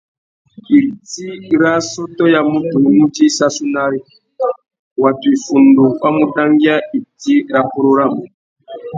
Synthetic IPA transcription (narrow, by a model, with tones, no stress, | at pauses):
i˨ɾti˦ɾa˦sɔ˦tɔ˦ja˦mu˦tu˨˦nu˦ti˦sa˦su˦na˦ɾi˦ | wa˨tu˨i˨fu˨ndu˨wa˦mu˦ta˦ŋɡi˦a˦i˨ti˦ɾa˦ku˦ɾo˦ɾa˦˨mu˨